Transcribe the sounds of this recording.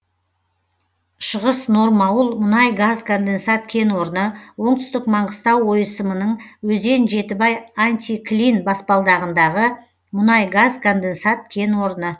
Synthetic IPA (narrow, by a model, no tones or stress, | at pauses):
ʃəʁəsno̞ɾmɑwəlˠmʊnɑjɡazkʰond̪e̞nsat̪kʲʰe̞nwo̞ɾənəwo̞ɴt̪ʏst̪ɪkmɑɴʁəst̪ɑwːo̞jəsəmənəɴwɵze̞nʒe̞t̪ɪbɑjanʲt̪ʲiklʲinbɑspɑlˠd̪ɑʁənd̪ɑʁə | mʊnɑjɡazkʰond̪ensat̪̚kʲʰe̞nwo̞ɾənə